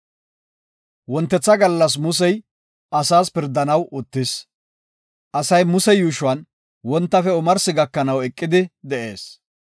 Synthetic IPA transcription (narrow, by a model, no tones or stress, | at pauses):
wɔnt̪ːɛt͡sːɐɡɐlːɐs̬mʊs̬ɛj | ʔɐsaːspɪɾd̪ːɐnɐwʊt̪ːɪs | ʔɐsɐjmʊsɛjuːʃʊwɐn | wɔnt̪ːɐfɛʊmɐɾsɪɡɐkːɐnɐwɛkʼːɪd̪ɪd̪ɛʔe̞̰ːs